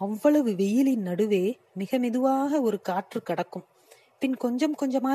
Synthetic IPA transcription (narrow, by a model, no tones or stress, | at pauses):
ɐʋːɐɭɐʋɯʋɛjɪlɪnnɐɽɯʋeː | mɪɣɐmɪðɯʋaːɣɐɔɾɯkaːʈrɯkɐɽɐkːɯm | pɪnkɔɲd͡ʒɐmkɔɲd͡ʒɐmaː